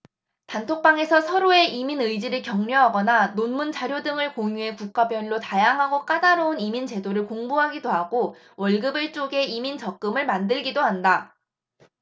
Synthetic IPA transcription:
tantʰok̚p͈aŋe̞sʰʌsʰʌɾoe̞ʔiminɯid͡ʑiɾɯɭkjʌŋɲoɦaɡʌnanonmunt͡ɕaɾjodɯŋɯɭkoŋjue̞kuk͈abjʌniɾotajaŋɦaɡok͈adaɾounimint͡ɕe̞doɾɯɭkoŋbuɦaɡidoɦaɡ̥o | wʌɭɡɯbɯɭt͡ɕ͈oɡe̞imint͡ɕʌk̚k͈ɯmɯɭmandɯɭɡidoɦanda

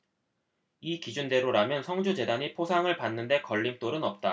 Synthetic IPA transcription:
ikid͡ʑunde̞ɾoɾamjʌnsʰʌŋd͡ʑud͡ʑe̞daɲipʰosʰaŋɯɭpanːɯnde̞kʌʎːimt͈oɾɯnʌp̚t͈a

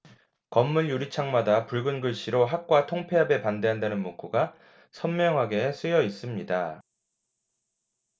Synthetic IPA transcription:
kʌmːuɭjuɾit͡ɕʰaŋmadapuɭɡɯnɡɯɭɕ͈iɾoɦak̚k͈watʰoŋpʰe̞ɦabe̞pande̞ɦandanɯnmok͈ʰuɡa | sʰʌnmjʌŋɦaɡe̞s͈ʰɯjʌis͈ɯmɲida

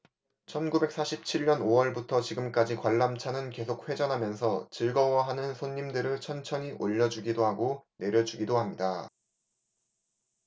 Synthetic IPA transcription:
t͡ɕʰʌnɡube̞k̚s͈ʰaɕʰip̚t͡ɕʰiɭɲʌnowʌɭbutʰʌt͡ɕiɡɯmk͈ad͡ʑikwaɭːamt͡ɕʰanɯnke̞sʰok̚ɸwe̞d͡ʑʌnɦamjʌnsʰʌt͡ɕiɭɡʌwʌɦanɯnsʰoɲːimdɯɾɯɭt͡ɕʰʌnt͡ɕʰʌɲiʔoʎːʌd͡ʑuɡidoɦaɡone̞ɾjʌd͡ʑuɡidoɦamɲida

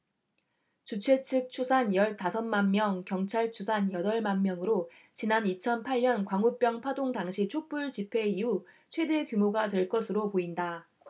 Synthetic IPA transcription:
t͡ɕut͡ɕʰe̞t͡ɕʰɯk̚t͡ɕʰusʰanjʌɭtasʰʌnmanmjʌŋkjʌŋt͡ɕʰaɭt͡ɕʰusʰanjʌdʌɭmanmjʌŋɯɾo | t͡ɕinanit͡ɕʰʌnpʰaɭɲʌnkwaŋup͈jʌŋpʰadoŋdaŋɕʰit͡ɕʰok̚p͈uɭt͡ɕipʰe̞iu | t͡ɕʰwe̞de̞kjumoɡadwe̞ɭk͈ʌsʰɯɾopoinda

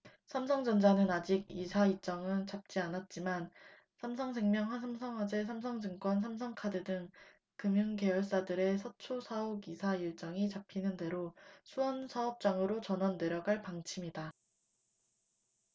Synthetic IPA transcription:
sʰamsʰʌŋd͡ʑʌnd͡ʑanɯnad͡ʑiɡ̚isʰait͡ɕ͈ʌŋɯnt͡ɕap̚t͡ɕ͈ianat̚t͡ɕ͈iman | sʰamsʰʌŋs̬ʰeŋmjʌŋɸwansʰamsʰʌŋɦwad͡ʑe̞sʰamsʰʌŋd͡ʑɯŋk͈wʌns̬ʰamsʰʌŋkʰadɯdɯŋ | kɯmjuŋke̞jʌɭs͈adɯɾe̞sʰʌt͡ɕʰosʰaoɡisʰaiɭt͡ɕ͈ʌŋit͡ɕapʰinɯnde̞ɾosʰuʌnsʰaʌp̚t͡ɕ͈aŋɯɾot͡ɕʌnʌnde̞ɾjʌɡaɭpaŋt͡ɕʰimida

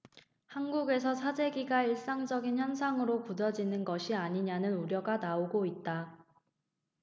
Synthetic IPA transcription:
hanɡuɡe̞s̬ʰʌsʰad͡ʑe̞ɡiɡaiɭs͈aŋd͡ʑʌɡinçjʌns̬ʰaŋɯɾokudʌd͡ʑinɯnɡʌɕʰiaɲiɲanɯnuɾjʌɡanaoɡoit̚t͈a

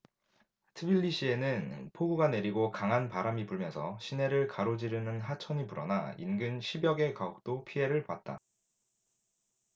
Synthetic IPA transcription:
tʰɯbiʎːiɕ͈ʰie̞nɯnpʰoɡuɡane̞ɾiɡokaŋɦanpaɾamipuɭmjʌnsʰʌɕʰine̞ɾɯɭkaɾod͡ʑiɾɯnɯnɦat͡ɕʰʌɲipuɾʌ̰nainɡɯnɕʰibjʌɡe̞kaok̚t͈opʰiɦe̞ɾɯɭpat̚t͈a̰

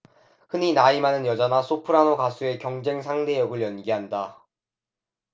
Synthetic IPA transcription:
hɯninaimanɯnjʌd͡ʑʌnasʰopʰɯɾanoɡasʰue̞kjʌŋd͡ʑe̞ŋs̬ʰaŋde̞jʌɡɯɭjʌnɡiɦanda

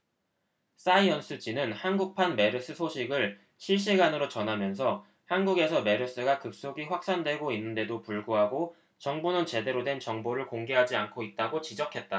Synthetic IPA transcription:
s͈aiʌns͈ʰɯd͡ʑinɯnhanɡuk̚pʰanme̞ɾɯs͈ɯsʰoɕʰiɡɯɭ | ɕʰiɭɕ̬͈iɡanɯɾot͡ɕʌnɦamjʌnsʰʌ | hanɡuɡe̞sʰʌme̞ɾɯs͈ɯɡakɯp̚s͈oɡiɸwak̚s͈andwe̞ɡoinːɯnde̞dopuɭɡuɦaɡo | t͡ɕʌŋbonɯnt͡ɕe̞de̞ɾodwe̞nt͡ɕʌŋboɾɯɭkoŋɡe̞ɦad͡ʑiankʰoit̚t͈aɡot͡ɕid͡ʑʌkʰe̞t̚t͈a

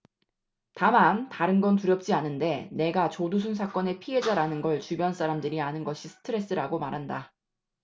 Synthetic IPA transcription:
tamantaɾɯnɡʌntuɾjʌp̚t͡ɕ͈ianɯnde̞ne̞ɡat͡ɕodus̬ʰunsʰak͈ʌne̞pʰiɦe̞d͡ʑaɾanɯnɡʌɭt͡ɕubjʌns͈ʰaɾamdɯɾianɯnɡʌɕʰisʰɯ̥tʰɯɾe̞s͈ɯɾaɡomaɾɦanda

